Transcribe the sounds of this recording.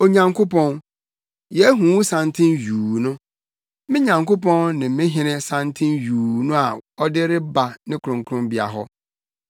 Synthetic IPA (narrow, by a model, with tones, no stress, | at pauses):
o˨ɲã˨ŋkʰo˦pʰɔ̃˦n | jɛ˨˦ɦũ˨˦wũ˦sã˨ntʰɪ̃˦njuː˨nʊ̃˦ | mɪ̃˦ɲã˨ŋkʰo˦p̬ʰɔ̃˦nnɪ̃˨mɪ̃˦ɦɪ̃˦nɪ̃˦sã˨ntʰɪ̃˦njuː˨nʊ̃˦a˨ɔ˦dɪ˦ɾɪ˦ba˨nɪ̃˦kʰʊ˨ɾʊ̃˨ŋkʰʊ̃˦mbi˨a̰˨ɦɔ̰˦